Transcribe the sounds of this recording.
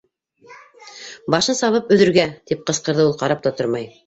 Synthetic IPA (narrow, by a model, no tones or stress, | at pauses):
bɑʃɤnsɑβɤpɵ̆ðɵ̆ɾɡæt̪ip̚qɤ̆sqɤ̆ɾðɤulˠqɑɾɑp̚t̪ɑt̪oɾmɑj